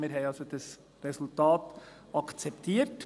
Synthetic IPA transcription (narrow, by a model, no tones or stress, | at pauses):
miɾɦɛɪɑlsod̥ɑs | ɾɛsultɑːt | ɑkʰt͡sɛptʰiːət